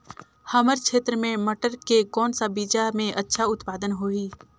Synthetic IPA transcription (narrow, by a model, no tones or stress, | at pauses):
həməɾkʰeːt̪ɾəmẽmɐʈəɾkekɔːnsabiːd͡ʒamẽʔɐtːʃʰaʊt̪paːd̪ənɦoːiː